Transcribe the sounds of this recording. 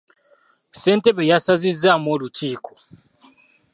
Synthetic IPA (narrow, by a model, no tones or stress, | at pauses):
se̞ːnte̞βejasazizːamoːluciːkʰo̥